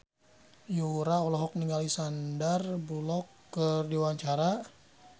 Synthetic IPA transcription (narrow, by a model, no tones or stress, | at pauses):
juɾaɔlɔɦɔk̚niŋalisandarbulɔkːərdiwaɲt͡ʃaɾa